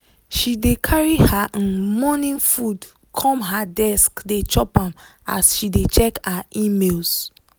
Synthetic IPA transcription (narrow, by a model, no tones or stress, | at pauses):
ʃidekʰaɹihaʔĩnmɔnĩŋfud | kʰɔ̃mɦadɛskdet͡ʃɔpãma̰sʃidet͡ʃɛkaʔimels